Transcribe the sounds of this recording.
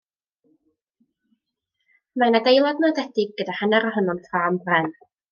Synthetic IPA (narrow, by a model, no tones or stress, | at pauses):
manadejlˠɔdnadɛdɪɡ̚ɡədahanɛɾɔɦənɔnfʰraːmbrɛn